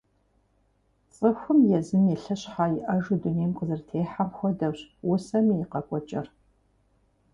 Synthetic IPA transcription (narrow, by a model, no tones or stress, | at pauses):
t͡sʼɨxʷʊmjɛzɨniɬɐɕħaːjɪʔɐʒʊduneːmqəzɨrtʰeːħamxʷɔdɐwɕwʊsɐmijɪqɐkʷʼɔt͡ʃʼɪr